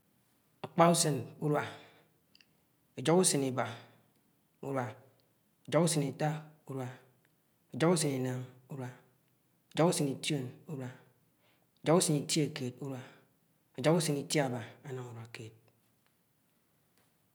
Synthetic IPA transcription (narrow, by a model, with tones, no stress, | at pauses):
a˨k͡pa˦u˦sɨ˨nu˦ɾwa˨ | e˨d͡ʒɔ˦ku˦sɨ˨ni˨ba˨ | ṵ˦ɾwa˨ | e˨d͡ʒo˦ku˦sɨ˨ni˨ta˦u˦ɾwa˨ | e˨d͡ʒo˦ku˦sɨ˨ni˨na˨ŋu˦ɾwa˨ | e˨d͡ʒo˦ku˦sɨ˨ni˨tjo˦˨nu˦ɾwa˨ | e˨d͡ʒɔ˨˦ku˦sɨ˨ni˨tje˨ke˨t̚u˦ɾwa˨ | e˨d͡ʒɔ˦ku˦sɨ˨ni˨tja˨ba˨a˦na˨ŋu˨ɾwa˨keː˨t̚